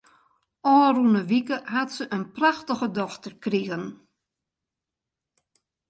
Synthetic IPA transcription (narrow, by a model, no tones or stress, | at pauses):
ɔːrunəʋikəhatsəʔənpraxtəɣədɔxtərkriɣən